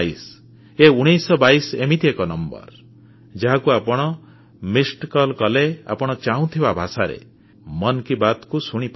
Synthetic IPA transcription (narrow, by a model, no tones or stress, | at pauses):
is | euɽ̃ijsɔbajsemit̪iekɔnɔmbɔ̰ɾ | d͡ʒaɦakuapɔɽ̃ɔ | misʈkɔlkɔlea̰pɔɽ̃ɔt͡ʃaũt̪ʰibabʱasaɾḛ | mɔnkibat̪kusuɽ̃ip